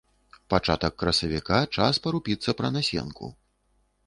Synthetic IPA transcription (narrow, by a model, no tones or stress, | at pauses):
pat͡ʂat̪ɐkːɾɐsɐvʲikat͡ʂaspɐɾupʲit̪sːɐpɾɐnasʲɛ̰nkʰṵ